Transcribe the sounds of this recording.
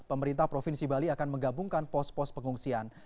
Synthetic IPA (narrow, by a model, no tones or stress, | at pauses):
pəməɾint̪ahpɾofinsibaliakanməŋɡabuŋkanpɔspɔspəŋuŋsian